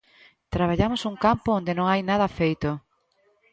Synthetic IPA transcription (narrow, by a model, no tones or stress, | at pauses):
t̪ɾaβaʎamosuŋkampoond̪enõŋajnað̞ɐfejt̪o